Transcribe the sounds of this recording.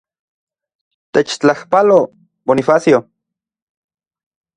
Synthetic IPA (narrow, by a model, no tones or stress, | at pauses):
t̪et͡ʃt͡ɬahpalo | bonifasjo